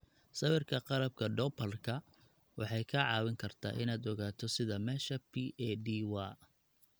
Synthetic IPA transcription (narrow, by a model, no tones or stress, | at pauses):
sɐwɪrkʰɐqɑɾɐb̚kʰɐɖɔːpʰɐlkʰɐ | wʔɑħɑjkʰɐʕɑːwɪŋkʰɐrt̪ʰa̰ːʔɪnaːd̪ɔɣaːt̪ʰɔsɪðɐmɛːʃɐpʰiʔɛɖiwaː